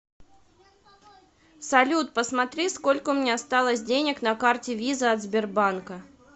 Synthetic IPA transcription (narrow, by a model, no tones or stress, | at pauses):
sɐlʲut̪̚pəsmɐt̪ɾʲisko̞lʲkəʊmnʲeɐst̪alˠəsʲdʲenʲɪknɐkartʲɪvʲizəɐd̪zbʲɪrbankə